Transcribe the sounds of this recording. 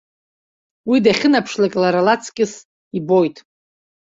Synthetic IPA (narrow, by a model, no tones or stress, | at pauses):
widaχʲɪnapʰʂlakʼlaɾalat͡sʰkʲʼɪs | ibojtʼ